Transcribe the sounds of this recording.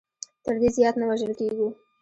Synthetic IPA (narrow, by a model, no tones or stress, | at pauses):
t̪əɾd̪ezjɑt̪nawaʒəlkeɡu